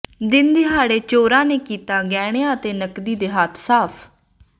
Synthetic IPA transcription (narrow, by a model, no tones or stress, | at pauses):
d̪ɪnd̪eːɦaːɽeːt͡ʃoːɾãːneːkiːt̪aːɡɛːɽ̃eãːət̪eːnəkd̪iːd̪eːɦət̪ʰsaːpʰ